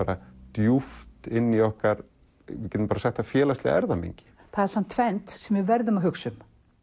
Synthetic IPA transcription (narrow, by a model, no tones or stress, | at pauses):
aːɾat̪juft̪ɪnːiɔhkaɾ | vɪcɛt̪ʏmpaɾasɛht̪ʰːafjɛːlast̪lɛɣa̰ɛɾðamḛɲcɪ̥ | θaðɛɾ̥samn̥t̪ʰːfɛnt̪sɛmvɪvɛɾðʏmaɦʏksʏm